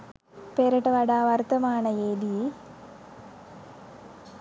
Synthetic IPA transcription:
peːɾɐʈɐʋɐɽaːʋɐrt̪ɐmaːɳɐjeːd̪i

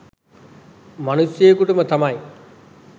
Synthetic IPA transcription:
mɐnusjeːkuʈumət̪amɐj

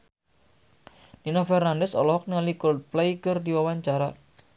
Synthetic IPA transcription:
ninafɛrnandɛsɔlɔhɔk̚nəŋalikɔl̚plejkərdiwawaɲt͡ʃaɾa

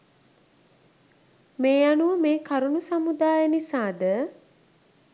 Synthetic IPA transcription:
meːjanuʋəmeːkaɾunusamud̪aːjənisaːd̪ə

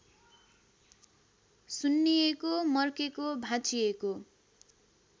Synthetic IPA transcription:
sunːijekomʌrkekobʱãt͡sʰijeko

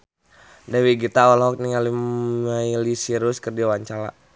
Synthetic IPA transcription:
dawiɡit̪awalɦɔk̚niŋaliailisiɾuskərdiawaɲt͡ʃala̰

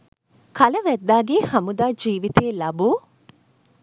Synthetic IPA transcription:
kʰɐlɐʋæd̪ːaːɡehɐmud̪aːd͡ʒiːʋit̪eːlɐbuː

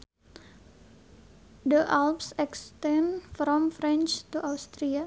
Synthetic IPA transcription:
dəʔalpsɛkst̪ɛ̃nfɾɔmfɾɛ̃nt͡ʃt̪uʔawst̪ɾia

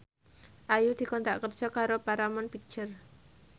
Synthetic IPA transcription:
ʔajud̪̥i̤kɔnt̪aʔkərd̥ʒ̥ɔ̤kaɾopaɾamɔnpi̥t͡ʃər

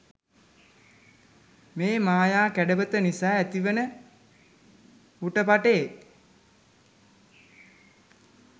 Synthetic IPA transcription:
meːmaːjaːkæɖəbət̪ənisaːæt̪iʋənə | uʈəpaʈeː

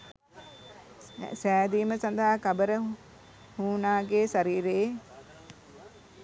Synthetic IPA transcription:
sæːd̪iːməsand̪aɦakabəɾə | huːnaːɡeːsaɾiːɾe

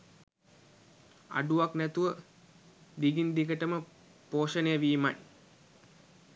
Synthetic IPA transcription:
a̰ɖuʋaknæt̪uʋə | d̪iɡind̪iɡəʈəmə | poːʃənejəʋiːman

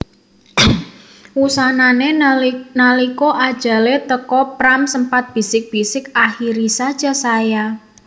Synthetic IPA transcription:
wusananenalikɔʔad̥ʒ̥a̤let̪əkɔpɾamsəmpat̪̚b̥i̤sɪk̚b̥isɪkaxiɾisad̥ʒ̥a̤saja

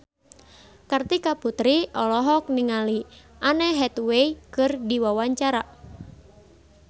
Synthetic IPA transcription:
kart̪ikaput̪ɾiʔɔlɔɦɔk̚niŋali | ʔanɛɦɛt̪weikɨrdiwawaɲt͡ʃaɾa

